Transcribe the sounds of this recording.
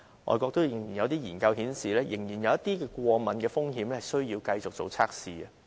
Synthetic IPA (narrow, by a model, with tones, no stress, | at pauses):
ŋʔɔ̰ː˨˧jkʷɔː˧k̚t̪o˥wjɪ˨˩ŋjiː˨˩njɐ˨˧wt̪iː˥jiː˨˩nkɐ˧whiː˨˥nsiː˨lɛː˥jɪ˨˩ŋjiː˨˩njɐ˨˧wjɐ˥t̪iː˥kɛː˧kʷɔː˧mɐ˨nkɛː˧fʊ˥ŋɦiː˨˥mlɛ˥hɐ˨˩sɵ˥ɥjiː˧wkɐ˧jt͡sʊ˨k̚t͡so˨˩wt͡sʰaː˥k̚siː˨ɐ˧